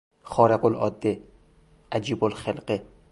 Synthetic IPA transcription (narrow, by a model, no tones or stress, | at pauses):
xɒːɾeqolʔɒ̰ːd̪ːe | ʔæd͡ʒiːbolxelqe